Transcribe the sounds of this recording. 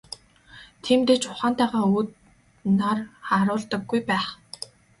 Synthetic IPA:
t̪ʰiːmt̪eːt͡ɕʊχaːnt̪æːʁaːuːt̪ | narχaɾʊːɮt̪ə̆ɡːujpæːχ

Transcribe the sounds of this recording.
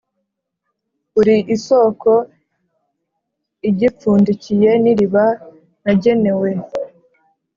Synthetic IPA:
uɾiʔiso̞ːko̞ | iɟip͡fuːndicije̞niɾiβa | naɟe̞ne̞we̞

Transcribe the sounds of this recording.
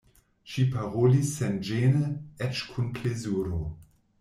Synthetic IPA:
ʃipaʁolisːɛnd͡ʒenəɛt͡ʃkʰunpʰlezuɾo

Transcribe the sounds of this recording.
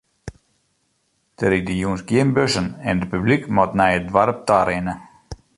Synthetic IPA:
d̥əɾidəjuːnsɡjiəmbøsənɛnəpyblikmɔtnɛjədʋaɾəp̚taɾɛnə

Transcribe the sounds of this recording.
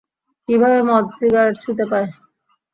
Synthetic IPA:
kibʱabemɔt̪d͡ʑiɡaɾaʈt͡ɕʰut̪̬epae

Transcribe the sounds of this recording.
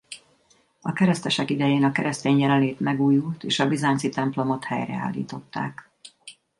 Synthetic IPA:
ɒkɛɾɛst̪ɛʃɛkid̪ɛjeːnɒkɛɾɛst̪eːɲjɛlɛleːt̪mɛɡuːjult̪ḛːʃɒbizaːnsit̪ɛmplo̞mo̞t̪hɛ̰jrɛ̰a̰ːlːḭːt̪o̞t̪ːa̰ːk

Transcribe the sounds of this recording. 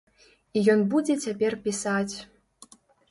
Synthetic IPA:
ijɔnbud͡zʲet͡sʲapʲerpʲisat͡sʲ

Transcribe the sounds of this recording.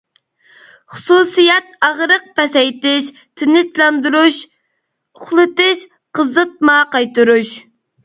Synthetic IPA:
χʊ̥susijɛt̪ɑʁɾəq̚pɛsɛjt̪ɪʃ | t̪ʰɪnɪt͡ʃlˠɑnd̪uɾuʃ | ʊχlˠɨt̪ɪʃ | qʰəzɨt̪̚mɑqɑjt̪uɾuʃ

